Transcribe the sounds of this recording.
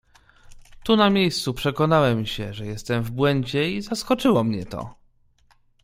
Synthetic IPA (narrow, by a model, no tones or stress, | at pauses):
t̪unamʲjejst̪supʂɛkɔnawɛmɕɛʐɛjɛst̪ɛmvbwɛɲd͡ʑɛizaskɔt͡ʂɘwɔmɲɛt̪ɔ̰